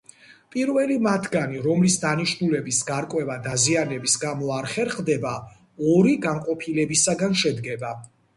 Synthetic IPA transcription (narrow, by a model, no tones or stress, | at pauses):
pʼiɾvɛlimat̪ʰɡaniɾɔmlisd̪aniʃnulɛbisɡaɾkʼwɛvad̪azianɛbisɡamɔaɾχɛɾχd̪ɛba | ɔɾiɡaŋqʼɔpʰilɛbisaɡanʃɛd̪ɡɛba